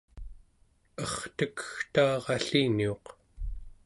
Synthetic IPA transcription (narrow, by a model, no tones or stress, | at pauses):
ʌχt̪əkə̥xt̪ɑːʁɑɬinioq